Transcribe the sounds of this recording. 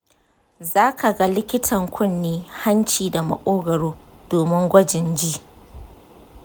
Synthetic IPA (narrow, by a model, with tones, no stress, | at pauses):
zaː˦kʰa˨ɡa˦lɪ˦kʲɪ˦tʰɐ˨ŋkʷʰʊ˦nːiː˦ha˦nt͡ʃiː˨da˨mɐ̰˨kʷʼoː˦ɡɐ˨ɽoː˦ | d̥oː˨mɪ˦ŋɡʷɐ˦d͡ʒɪ˨nd͡ʒiː˦